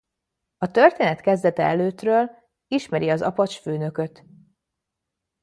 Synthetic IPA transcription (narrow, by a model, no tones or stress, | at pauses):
ɒt̪ø̞rt̪eːnɛt̪kɛzd̪ɛt̪ɛɛløːt̪røːl | iʃmɛɾiɒzɒ̰pɒt͡ʃføːnø̞kø̞t̪